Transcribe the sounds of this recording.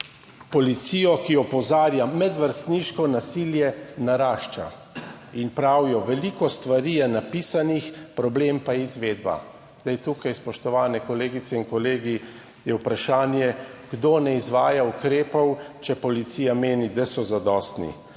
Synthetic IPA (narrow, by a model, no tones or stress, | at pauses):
pɔlit̪siːjɔkiɔpɔzaːɾjamɛd̪ʋəɾst̪niːʃkɔnasiljɛnaɾaːʃt͡ʃa̰ | inpɾawjɔʋɛliːkɔst̪ʋaɾiːjɛnapiːsanixpɾɔbleːmpaizʋeːd̪ba̰ | zd̪ɛjt̪uːkajspɔʃt̪ɔʋaːnɛkɔleːɡit̪sɛinkɔleːɡi | jɛwpɾaʃaːnjɛɡ̥d̪oːnɛizʋaːjaukɾeːpɔwt͡ʃɛpɔlit̪siːjameːnid̪asɔzad̪ɔst̪nḭ